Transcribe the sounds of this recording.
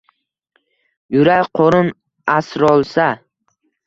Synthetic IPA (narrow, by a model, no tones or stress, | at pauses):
jʊɾajqʰoɾʊn | asɾɒlˠsa